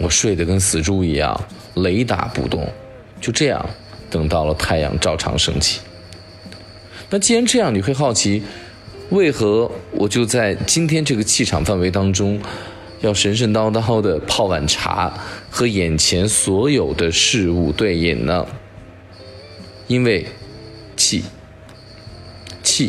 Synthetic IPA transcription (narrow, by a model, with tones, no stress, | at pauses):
wɔ˨˩ʂwe˥˩ɪd̪ə˩kə˥nsɹ̩˨˩ʈ͡ʂu˥˩i˧˥jɑ̰˥˩ŋ | le˧˥ɪt̪a̰˧˥pṵ˨˩t̪ʊ̰˥˩ŋ | t͡ɕjo˥˧ʊʈ͡ʂɤ˥˧jɑ̰˥˩ŋ | t̪ɤ˨˩ŋt̪ɑ˥˩ʊlə˩t̪ʰa˥˧ɪjɑ̰˨˩ŋʈ͡ʂɑ˥˩ʊʈ͡ʂʰɑ̰˧˥ŋʂɤ̰˥ŋt͡ɕʰi̥˥˩ | na˥˩t͡ɕi˥ɻa˧˥nʈ͡ʂɤ˥˧jɑ˥˩ŋni˨˩xwe˥˧ɪxɑ˥˩ʊt͡ɕʰi˧˥ | we˥˩ɪxɤ˧˥wʔɔ˨˩t͡ɕjo˥˧ʊt͡sa˥˩ɪt͡ɕi˥nt̪ʰjɛ˥nʈ͡ʂɤ˥˩ɡə˩t͡ɕʰi˥˩ʈ͡ʂʰɑ˨˩ŋfa˥˩nwe˧˥ɪt̪ɑ˥ŋʈ͡ʂʊ˥ŋ | jɑ˥˩ʊʂə˧˥nʂ̬ə˥˧nt̪ɑ˥ʊt̪ɑ˥˩ʊd̪ə˨pʰɑ˥˩ʊwa˨˩nʈ͡ʂʰa̰˧˥xɤ˧˥jɛ˨˩nt͡ɕʰjɛ˧˥nswɔ˧˥jo˨˩ʊd̪ə˦ʂɻ̩˥˧u˥˧t̪we˥˩ɪḭ˨˩nnə̰˧˩ | i˥nwe˥˩˧ɪ | t͡ɕʰi˥˧ | t͡ɕʰi˥˩